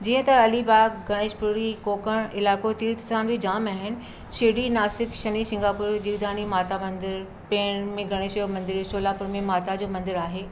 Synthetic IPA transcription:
d͡ʑiːə̃t̪ɐɐlibaːkɡɐɽ̃eːʃpʊɾikoːkəɽ̃ɪlaːkot̪iːɾt̪ɪsaːnbid͡ʑaːmaːɦɪnɪ̆ | ʃɪɽinaːsɪkʃɐnisɪ̃ŋɡaːpʊːɾd͡ʑiːʋd̪aːnimaːt̪amɐ̃nd̪ɪɾ | peːɽ̃mẽɡɐɽ̃eːʃoːmɐ̃nd̪ɪɾsoːlaːpʊɾmẽmaːt̪ad͡ʑoːmɐ̃nd̪ɪɾaːɦeː

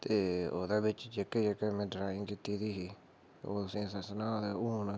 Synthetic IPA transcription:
t̪eːo̰ːd̪aːbɪt͡ʃd͡ʒeːkeːd͡ʒeːkeːmɛ̃ːɖɾaːɪ̃ŋɡkɪt̪iːd̪iːɦiː | oːt̪ʊsĩːsəsnaːd̪aːuːn

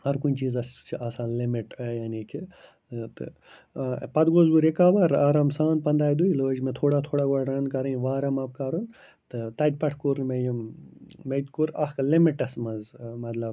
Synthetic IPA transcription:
hɐɾkunʲt͡ʃiːzɐst͡ʃʰiʔaːsaːnlimiʈɐjaːnikʰi | t̪ɨ̰ | pɐd̪ɡoːzbuɾekaːʋɐɾɐɾɐmsaːnpɐnd̪aːjd̪uiloːd͡ʒmẽt̪ʰoːɽat̪ʰoːɽaːɡoɽɾɐnkɐɾɐĩʋaːɾɐmɐːb̚kaːɾun | t̪ɨt̪ɐd̪̚ʲpɐʈʰkoɾmejɐmmejt̪koɾɐhklimiʈɐsmɐnzmɐt̪lɐb

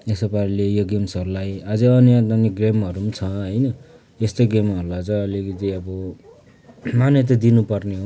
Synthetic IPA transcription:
esʌpaɾilejoɡemsʌɾulajad͡zʌʌnijaʌniɡremʌɾumt͡sʰʌɦʌjnʌ | est̪ojɡemʌɾulat͡sʌʌlikʌt̪iʌbʌ | manjʌt̪̬ʌd̪inupʌrneɦo

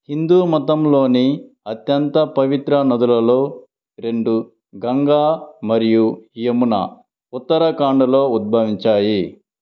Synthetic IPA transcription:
hind̪uːmɐt̪̬ɐmlo̞ːni | ɐt̪jɐnt̪ɐpɐʋit̪ɾɐnɐd̪ulɐlo̞ː | ɾe̞ɳɖu | ɡɐŋɡaːmɐɾijuɦijɐmunɐ̰ | ut̪ːɐɾɐkaːɳɖɐlo̞ːud̪̚bʱɐːʋiɲt͡ʃaːji

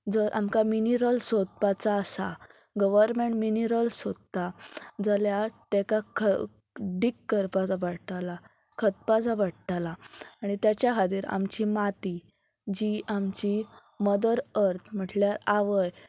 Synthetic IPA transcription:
d͡zəɾʔa̰mkaminiɾəlsod̪̚pat͡saːsa̰ | ɡəʋəɾmeɳʈminiɾəlsod̪t̪ːad͡zəljat̪ɛkakʰə | ɖikːəɾpat͡saʋaɽt̪ala | kʰət̪̚pad͡zaʋaɽt̪alaaɽ̃it̪jat͡ɕjakʰad̪iːɾa̰mt͡ɕimat̪i | d͡ʑiʔamt͡ɕi | məd̪əɾəɾt̪ʰm̤əʈljaɾaʋəj

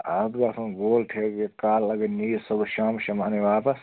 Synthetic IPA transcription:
aːd̪ɡasʰɐ̃ɡoːlʈʰeːɡekaːlːɐɡeniːsɐbʃaːmʃɐmaːneʋaːpɐs

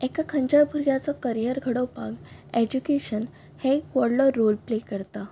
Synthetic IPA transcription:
ekakʰə̃ɲt͡ɕabʱuɾjat͡sɔkəɾijəɾɡʱəɽəwpa̰ɡed͡ʑukeɕən | hekʋəɾlɔɾolplekəɾt̪a

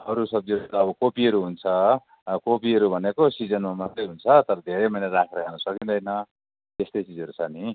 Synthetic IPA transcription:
ʌɾusʌb̚d͡zikːbʌkopiɦʌɾuɦunt͡sʰʌ | kopiʌɾubʱʌnekosid͡zʌnmamʌt̪rʌjɦunt͡sʰʌt̪ʌɾʌd̪ʱeɾemʌnarakʰɾaɡanʌsʌkind̪ʌjnʌ | t̪est̪ʌjt͡sid͡zʌɾut͡sʰʌni

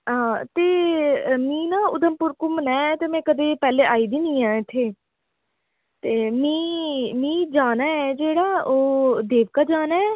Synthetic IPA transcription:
ɦãːt̪eːmĩːnaːʊd̪əmpʊɾkʊmnɛ̃ːt̪eːmɛ̃ːkəd̪eːpɛːleːʔaːiːd̪iːnĩːãːɪt̪ʰːeː | t̪eːmĩːmĩːd͡ʒaːnaːɛːd͡ʒeːɽaːoːd̪eːʋkaːd͡ʒaːnaːɛː

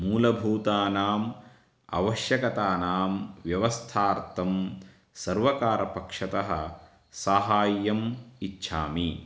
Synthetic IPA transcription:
muːlɐbʱuːt̪aːnaːm | ɐ̰ʋɐʃjɐkɐt̪aːnaːmʋjɐʋɐst̪ʰaːɾt̪ʰɐm | sɐɾʋɐkaːɾɐpɐkʂɐt̪ɐɦɐ̰̆ | saːɦaːjːɐmitːʃʰa̰ːmi

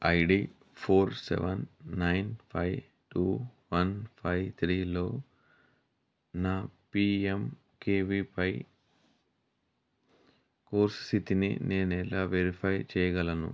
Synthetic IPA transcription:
ɐjɖiː | pʰoːɾsɛ̰ʋɐnːɐjnpʰɐj | ʈuːʋɐnpʰɐjt̪ʰɾiːlo̞ː | naːpiːem | keːʋipɐj | koːɾssit̪inḭneːnɛlaːʋeɾipʰɐjt͡ʃɛːjɐɡɐlɐnṵ

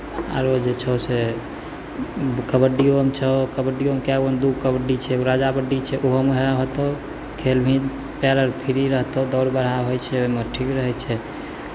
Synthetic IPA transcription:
a̰ɾod͡ʒet͡ʃʰəse | kəbəɖːiomt͡ʃʰəkəbəɖːiomkabond̪uɡ̚kəbəɖːit͡ʃʰɛuɾad͡ʒabəɖːit͡ʃʰɛʔoɦəmɦaɦot̪o | kʰelbʱĩ | pɛləɾpʰiɾiɾəɦt̪əd̪ɔɽbəɽ̤aɦojt͡ʃʰɛoimeʈʰikɾəɦɛt͡ʃʰɛ

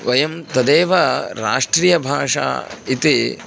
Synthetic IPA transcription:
ʋɐjɐmt̪ɐd̪eːʋɐɾa̰ːʂʈɾijɐbʱaːʂa̰ːit̪i

